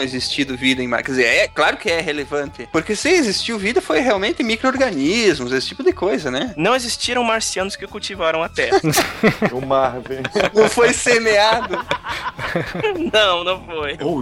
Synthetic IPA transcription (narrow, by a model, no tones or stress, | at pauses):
ezist͡ʃid̪ʊvid̪ɐẽj̃ma̰ɾkɛd̪ɪzeɾɛklaɾʊkɪɛɦelevɐ̃nt̪ɪpoɾkesɪezist͡ʃiwvid̪ɐfojɦeawmẽnt̪ɪmikɾooɾɡɐnizmʊzesɪ̥t͡ʃipʊd̪ɪkojzɐnɛnɐ̃w̃ezist͡ʃiɾɐ̃w̃maɾsiɐ̃nʊskɪkuwt͡ʃivaɾɐ̃w̃at̪ɛhɐʊmaɾvenɐ̃w̃fojsemead̪ʊ | nɐ̃w̃nɐ̃w̃fojo